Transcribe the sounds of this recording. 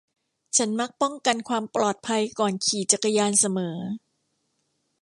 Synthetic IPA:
t͡ɕʰa˦˥nma˦˥k̚pɔ˥˩ŋka˧nkʰwaː˧mplɔː˨˩t̪̚pʰa˧jkɔː˨˩nkʰiː˨˩t͡ɕa˨˩kːa˧jaː˧nsa˧mɤː˩˦

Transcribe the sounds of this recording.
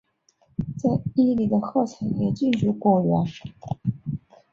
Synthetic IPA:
t͡sa˥˩ɪi˥li˨˩d̪ə˦xɤ˥˩t͡sʰa˧˥ŋjɛ˧˩t͡ɕi˥˩nʈ͡ʂu˧˥kwɔ˨˩ɥɛ˧˥n

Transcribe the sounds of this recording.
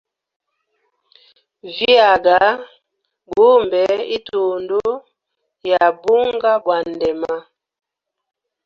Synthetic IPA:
vi˦a˨ɡa˨˦ | bu˦mbɛ˨˦i˦tʰo˨ndo˦ | ja˨bu˦ŋ˦ɡa˦bwa˨n˨dɛ˨ma˦

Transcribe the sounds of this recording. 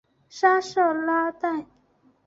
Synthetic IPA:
ʂa˥ʂɔ˥˩la˦˥t̪a˥˨n

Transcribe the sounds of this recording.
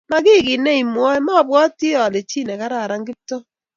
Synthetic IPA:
ma˦kɪ˦˨ki˨nɛ˦i˨mwɔ˦ɛ˦ma˦˨bwɔ˦ti˦ɔ˨le˨t͡ʃi˦nɛ˨ka˦ɾa˨ɾa˦ŋɡɪ˦p̚to˦

